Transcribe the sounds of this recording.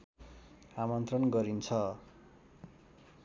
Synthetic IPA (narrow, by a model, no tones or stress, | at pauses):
amʌnt̪rʌnɡʌɾint͡sʰʌ